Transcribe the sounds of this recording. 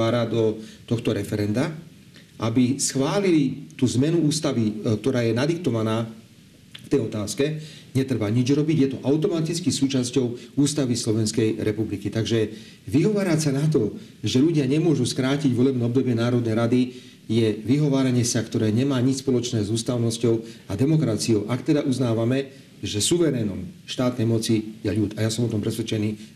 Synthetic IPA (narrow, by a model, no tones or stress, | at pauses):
aːɾad̪ɔt̪ɔxt̪ɔɾɛfɛɾɛnd̪a | ʔabisxʋaːlilit̪uːzmɛnuuːst̪aʋikt̪ɔɾaːjɛnad̪ikt̪ɔʋanaː | ft̪ɛjɔt̪aːskɛɲɛt̪ɾbaɲid͡ʒɾɔbiɟjɛt̪ɔʔaʊt̪ɔmat̪it͡skisuːt͡ʃascɔʊuːst̪aʋislɔʋɛnskɛjɾʔɛpublikit̪aɡʒɛ | ʋiɦɔʋaːɾasanat̪̬ɔ | ʒɛʎuɟɪaɲɛmʊɔʒuskɾaːciɟvɔlɛbnɛɔb̚d̪ɔbɪɛnaːɾɔd̪nɛjɾad̪i | jɛʋiɦɔʋaːɾaɲɪɛsakt̪ɔɾɛːɲɛmaːɲit͡ʃspɔlɔt͡ʃnɛːzuːst̪aʊnɔscɔʊad̪ɛmɔkɾat͡siɔʊʔakt̪ɛd̪aʔuznaːʋamɛ | ʒɛsuʋɛɾɛːnɔmʃt̪aːt̪nɛjmɔt͡sijɛʎut̪ajasɔmɔt̪ɔmpɾɛsʋɛt͡ʃɛniː